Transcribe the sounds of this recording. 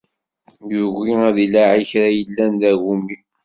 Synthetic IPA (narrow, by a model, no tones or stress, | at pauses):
juɣiæðilaʕiçɾajəlːænd̪æʝumːi